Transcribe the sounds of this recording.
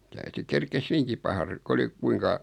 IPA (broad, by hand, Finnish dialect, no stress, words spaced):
tæyty kerkes hyʋiŋki pɑhɑ ru kŭ oli kuiŋkɑ